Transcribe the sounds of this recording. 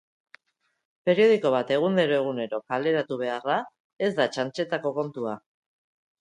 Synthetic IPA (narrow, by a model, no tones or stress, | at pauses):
pe̞ɾio̞ð̞iko̞β̞at̪e̞ɣ̞und̪e̞ɾo̞e̞ɣ̞une̞ɾo̞kale̞ɾat̪uβ̞e̞ara | e̞zd̪at͡ʃant͡ʃe̞t̪ako̞ko̞nt̪ua